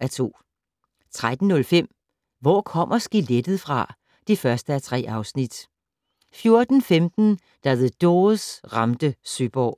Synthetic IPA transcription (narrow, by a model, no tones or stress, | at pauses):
æɐt͡sʰo̝̰ː | t͡sʰʁad̥n̩ːɔ̽lfem̰ | ʋɒ̰ːkʰɒ̽m̰ʔɐsɡ̥iled̥əð̩ˠfʁɑ̈ | d̥ifɶɐsd̥əæt͡sʰʁɛ̰ːɑ̈ʊsnid̥ | fjo̝ɐd̥n̩femd̥n̩ | d̥ɑʋeðˠd̥ɔːð̩ˠsʁɑ̈md̥əsyb̥ɒ̰ː